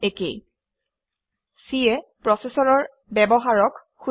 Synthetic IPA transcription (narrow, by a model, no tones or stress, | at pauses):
ekḛj | siɛpɹɔsesɔɹɔɹ | bɛbɔɦaɹɔk | xu